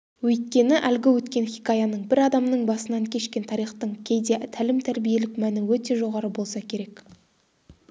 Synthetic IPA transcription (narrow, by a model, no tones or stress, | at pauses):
wɵjt̪̚kʲe̞nɪʔælɡʲɪwɵt̪kʲe̞nχʲikɑjɑnəɴbɪɾɑd̪ɑmnəɴbɑsənɑŋkʲʰe̞ʃkʲe̞nt̪ʰɑɾijχt̪əɴkʲʰe̞jd̪e̞t̪ʰælɪmt̪ʰæɾbije̞lɪkmænɪwɵt̪e̞ʒo̞ʁɑɾəbo̞lˠsɑkʲʰe̞ɾe̞k